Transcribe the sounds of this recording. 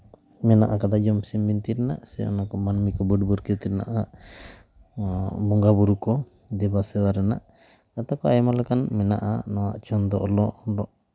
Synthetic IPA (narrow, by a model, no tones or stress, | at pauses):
mɛnaʔakad̪ad͡ʒɔmsimbint̪iɾɛna̰ʔsɛ̰ɔ̰nakɔmanmikɔbuɖbuɾkɛt̪iɾnaʔa | bɔŋɡabuɾukɔ | d̪ɛbasɛwaɾɛna̰ʔ | kat̪akɔajɔmalɛkanmɛna̰ʔanɔwa̰ʔt͡ʃɔnd̪ɔʔɔlɔʔɖɔʔ